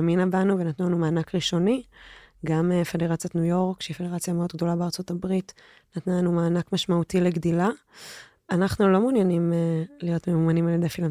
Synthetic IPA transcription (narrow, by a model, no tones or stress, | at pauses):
aminabanuvenatnulanumaːnakʁiʃo̞niɡamefe̞deʁat͡sjatnujo̞ʁkʃeifede̞ʁat͡sjameo̞dɡ̚do̞labeaʁt͡so̞tabʁit | natnalanumaːnakmaʃmautileɡdila | anaχnulo̞munjanimelijo̞tmeumanimaledefila